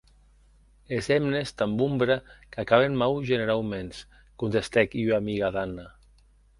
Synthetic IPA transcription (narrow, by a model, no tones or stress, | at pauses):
ezɛmnest̪ambumbɾakakaβ̞enmawʒeneɾawmens | kunt̪est̪ɛkiamiɣaðana